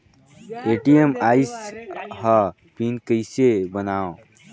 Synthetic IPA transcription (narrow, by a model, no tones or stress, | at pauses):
eʈiemajsɦə | pinkəjsebənaõ